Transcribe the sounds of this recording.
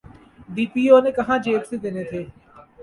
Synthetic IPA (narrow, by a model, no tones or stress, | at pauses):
ɖiːpiːoːneːkɐɦãːd͡ʒeːpsed̪ɪnet̪ʰeː